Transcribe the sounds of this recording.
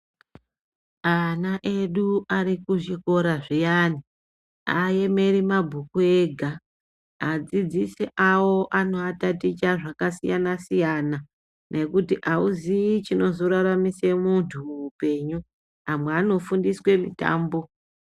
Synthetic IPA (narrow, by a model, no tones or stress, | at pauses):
anaʔe̞ɗuarikuʐiko̞ɾaʐijani | a̰je̞me̞ɾimabʱukue̞ɡʱa | ad͡zid͡ziseʔawo̞ʔano̞atatit͡ʃaʐakasijanasijana | nʔe̞kutiʔauzit͡ʃino̞zoɾaɾamise̞muntʰumuːpe̞ːɲu | amweano̞fundiswe̞mḭta̰ːmbo̞